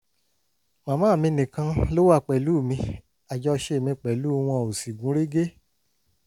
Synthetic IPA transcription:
mã˨˦mãː˦˨mĩ˧nĩ˨kã˧lo˦wa˦˨k͡pɛ˨lu˦˨mĩ˧ | a˨d͡ʒɔ˧ʃe˧˨mĩ˧k͡pɛ˨lu˨˦˧w̃ɔ̃˧˨o˨si˨ɡũ˨˦ɾe˦ɡe˦

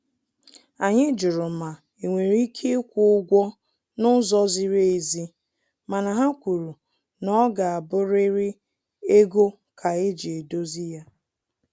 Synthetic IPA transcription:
a˨ɲɪ˦d͡ʒʊ˨ɾʊ˨ma˨ | e˨ŋʷe˨ɾi˦kʰe˦kʷʊ˦ɡʷɔ˦ | nʊ˦zɔ˦zi˨ɾe˦e˨zi˦ | ma˨na˨ɦa˦kʷu˨ɾu˨ | nɔ˦ɡa˨a˨bʊ˦ɾɪ˦ɾɪ˦ | e˦ɡo˦ | kʰa˨e˦d͡ʒi˨e˨do˦zi˦ja˦

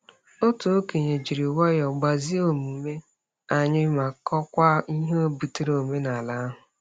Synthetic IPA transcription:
o˦tu˨o˦ke˨ɲe˨d͡ʒi˨ɾi˨wɔ˦jɔ˨ɡ͡ba˨zi˦o˨mu˨me˦ | a˨ɲɪ˦ma˨kɔ˦kʷa˦i˦ɦo˦bu˨te˦ɾo˨me˦na˨la˦a˦ɦʊ˨

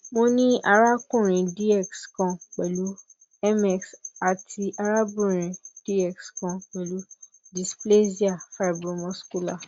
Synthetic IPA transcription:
mo˦nĩ˦ʔa˧ɾa˦kũ˦˨ɾ̃ĩ˨di˦ɛ˦˨kskã˨k͡pɛ˨lu˨˦ | ɛ˦mɛ˨ksa˨tʰi˧ʔa˧ɾa˦bũ˦˨ɾ̃ĩ˨d̥i˦ɛ˦˨kskã˧˨k͡pɛ˨lu˨˦ | di˨sple˦si˦a˨fa˦i˨bɾũ˧mɔ̃˧˦sku˦la˦˨

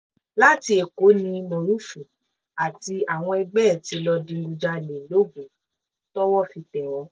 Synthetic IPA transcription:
la˦˨ti˧e˨ko˨˦nĩ˧mõ˨ɾũ˦fũ˨ | a˨ti˧a˨w̃ɔ̃˧ɛ˧ɡ͡bɛ˦˨ti˨˧lɔ˧dĩ˧˦ɡu˧d͡ʒa˧˨le˨lo˦ɡũ˨˦ | tɔ˦wɔ˦˨fi˧tɛ˨wɔ˨˦

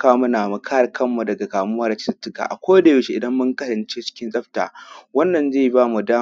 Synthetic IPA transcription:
kaː˦mʊ˦naː˨mu˨kʰaː˦˨kʰɐ˦mːu˨dɐ˨ɡa˨kaː˨mʊ˦waː˦ra˦t͡ʃɪ̥˦sa˦tːʊ˦ka̰ː˨ʔa˨kʷo˦da˨ju˨ʃi˦ʔɪ˨dɐ˦mːʊ˦ŋkɐ˦ɾɐ˨nt͡ʃe˦t͡ʃɪ̥˦kʲɪ˦nsʼɐ˦ɸta̰ː˨wɐ˦nːɐ˨nzeː˦˨baː˦mu˨daː˦

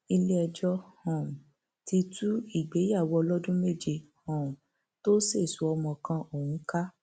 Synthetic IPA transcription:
i˧le˦ɛ˧d͡ʒɔ˦hɔ̃˨ũ˨ | ti˧tu˦i˦˨ɡ͡be˨˦ja˦˨wɔ˧lɔ˦dũ˦me˦˨d͡ʒi˧hɔ̃˨ũ˨ | to˦se˦˨su˨˦ɔ˧mɔ̃˧kã˧o˦˨wũ˨˦ka˦

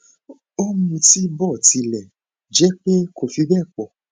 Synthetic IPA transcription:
o˦mũ˧ti˦bɔ˦˨ti˨˧˦lɛ˨ | d͡ʒɛ˨˦k͡pe˦ko˨fi˧˦bɛ˦˨k͡pɔ˨

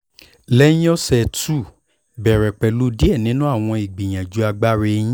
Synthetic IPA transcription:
lɛ̃˦ɔ˦sɛ˧˨tu˦˨ | bɛ˨ɾɛ˨k͡pɛ˨lu˨˦di˦ɛ˦˨nĩ˨˦nũ˦a˦˨w̃ɔ̃˧i˨ɡ͡bĩ˨j̃ã˨d͡ʒu˨˧˦a˧ɡ͡ba˦ɾe˧ĩ˦

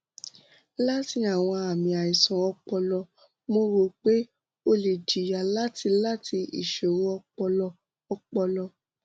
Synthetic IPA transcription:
la˦ti˧˦a˦˨w̃ɔ̃˧a˨mĩ˨a˨i˨sɔ̃˨ɔ˧k͡pɔ˧lɔ˧ | mo˧ɾo˧k͡pe˨˦ | o˧le˨d͡ʒi˨ja˨la˦ti˧la˦tʰi˧ḭ˨ʃo˨ɾo˦ɔ˧k͡pɔ˧lɔ˧ | ɔ˧k͡pɔ˧lɔ˧

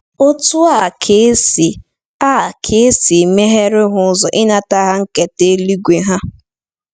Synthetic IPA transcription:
o˦tʊ˦a˦˨kʰe˨˦si˨ | a˦˨kʰe˦e˦si˨me˦ɦe˦ɾɪ˦ɦʊ˨ʊ˦zɔ˨ʔɪ˦na˨ta˦ɦa˦ŋ̩˦ke˨te˦li˦ɡʷe˨ɦa˦

